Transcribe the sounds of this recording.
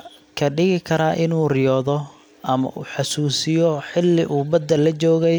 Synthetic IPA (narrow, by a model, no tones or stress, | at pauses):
kʰɐɖɪɣɪkʰɐɾaːʔɪnuːrɪjɔːðɔ | ʔɐmɐ̰ʔuːħɑsuːsɪjɔħɪlːɪʔuːbɐd̪ɐlːɐt͡ʃɔːɣɛj